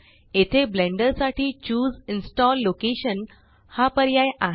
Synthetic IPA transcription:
et̪ʰeblẽɳɖəɾsaʈiːt͡ɕuːd͡zinsʈɔlːokeɕən | hapəɾjajaɦ

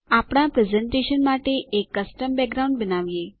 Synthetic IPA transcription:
apɽ̃apɾɛzɛɳʈeʃənmaʈeʔekːəsʈəmbɛk̚ɡɾaũɳɖ̚bənaʋije

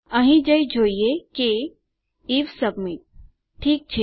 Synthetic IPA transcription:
ɐɦĩd͡ʒɐid͡ʒʱoːieke | iʋsɐbmi | ʈʰiːk̚t͡ʃʰe

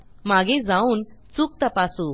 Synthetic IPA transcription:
maɡed͡zauːnt͡suːk̚t̪əpasu

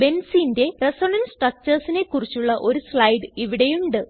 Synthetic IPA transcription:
be̞nsiːnde̞resoɳɐnsʈrɐk̚t͡ɕɐrsine̞kːurit͡ɕːuɭːɐʔo̞ɾusɭɐjɖɨiʋiɽe̞juɳɖɨ

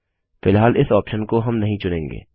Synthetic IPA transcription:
fɪlɦaːlʔɪsɔːpʃənkoɦɐmnɐɦĩt͡ʃʊnẽːŋɡḛː

